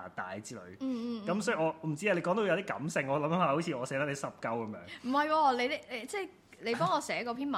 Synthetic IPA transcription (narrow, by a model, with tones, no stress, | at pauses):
a˨˩t̪a̰ː˨˩jt͡siː˥lɔ̰˨˧ɥ̩˧kɐ˦˥msɔː˨˥˨ʔɔː˨˧m̩˨˩t͡si˥a˨˧le˨˧kɔː˨˥ŋt̪o˨˧wjɐ˧wt̪iː˥kɐ̰˨˥msɪ˨˧ŋɔː˨˧lɐ˨˧˥mɐ˨˥mhaː˨˧ho˨˥wt͡sʰiː˧ɔː˨˧sɛː˧˥t̪a˥e˧˥sɐ˥p̚kɐ˥wkɐ˨˦mjœː˨˧ŋm̩˨˩mɐ˨jwɔː˧le˨˧jle˨˧jt͡sɛː˥˩j | le˨˧pɔː˥ŋɔː˨˧sɛː˨˥kɔː˧pʰiː˥nmɐ˨